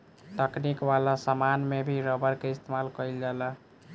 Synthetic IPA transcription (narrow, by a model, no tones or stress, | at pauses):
t̪əknikwalasəmanmebʱiɾəbəɾkeist̪ʰemalkəjld͡ʒalə